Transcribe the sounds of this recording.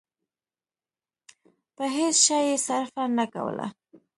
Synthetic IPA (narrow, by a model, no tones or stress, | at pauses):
pəɦesʃɑjesaɾfanaka̰wə̰la̰